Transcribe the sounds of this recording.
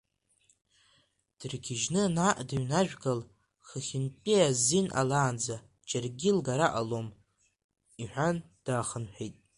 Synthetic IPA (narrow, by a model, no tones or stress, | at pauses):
d̥ɨrɡʲɪʒnɨnaʔdɨɥnaʒᶣɡal | χəχʲɪnpʼiazinʔa̰laːnd͡za | t͡ʃʼarɡʲɪlɡaɾaʔalom | iħʷᶣan | d̥aːχənħᶣejtʼ